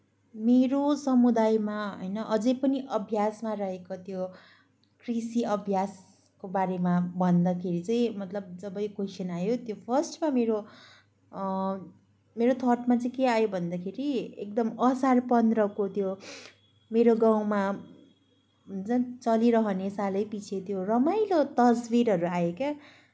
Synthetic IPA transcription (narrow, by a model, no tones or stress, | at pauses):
meɾosʌmud̪ajmaɦʌ̰jnʌʔʌd͡zʌjpʌniʔʌbʱjasmarʌɦekot̪jo | krisiʌbʱjas | kobaɾemabʱʌnd̪akʰeɾit͡sʌĩmʌt̪lʌb̚d͡zʌbʌjkosinajot̪jopʰʌrsʈmameɾo | meɾot̪ʰʌrʈmat͡sʌĩkeajobʱʌnd̪akʰeɾiek̚d̪ʌmʌsarpʌnd̪rʌkot̪jo | meɾoɡaw̃ma | nt͡sʌ̃t͡sʌliɾʌɦʌnesalʌjpit͡sʰet̪jorʌmajlot̪ʌsbiɾɦʌɾuajeka